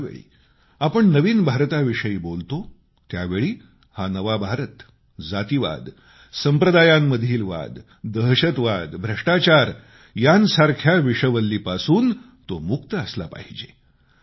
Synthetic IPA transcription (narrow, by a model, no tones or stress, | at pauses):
ʋḛɭḭː | apəɳnəʋiːnbʱaɾt̪aʋiʂəiːbolt̪o | t̪jaʋeɭiː | hanəʋabʱaɾət̪ | d͡zat̪iʋa̰d̪ | səmpɾəd̪ajamːəd̪ʱiːlʋa̰d̪ː | əɦɕət̪ʋad̪bʱɾəʂʈat͡ɕaɾ | jansaɾkʰjaʋiʂəʋəlːiːpasuːn | t̪omuk̚t̪əəsla̰pa̰ɦid͡ʑe